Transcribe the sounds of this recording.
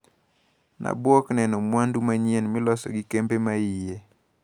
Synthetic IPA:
nʔa̰bwɔknɛnɔmwandumaɲienmɪlɔsɔ̰ɡɪkembemaije

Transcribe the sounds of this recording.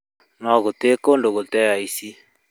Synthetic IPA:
nɔɣotekondoɣotɛjaisi

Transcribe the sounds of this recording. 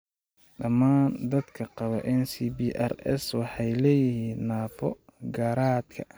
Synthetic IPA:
ɖɐmaːnd̪ɐd̪kʰɐqɑβɐʔɛnsibiʔɐ̰rɛ̰swɑħɑjlɛːjɪhiːnːaːbɔɡaːɾaːd̪kʰɐ

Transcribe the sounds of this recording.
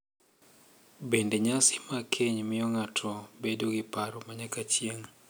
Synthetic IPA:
bendeɲasɪ̥makʰeɲmɪjɔŋatʰɔbedoɡɪpaɾɔmaɲakat͡ʃjeŋ

